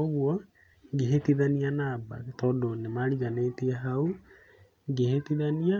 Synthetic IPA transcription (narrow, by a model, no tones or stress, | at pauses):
oɣwɔ | ɡeɦetiðanianaːba̰tɔːdonemaɾiɣaneːtiɛɦau | ɡehet̪iðania